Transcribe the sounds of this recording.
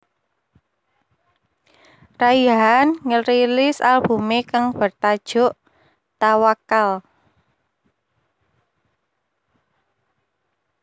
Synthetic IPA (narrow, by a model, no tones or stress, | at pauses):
raiɦanŋəɾilɪsa̰lb̥ṳmekaŋb̥ərt̪ad̥ʒ̥ʊ̤ʔ | t̪awakal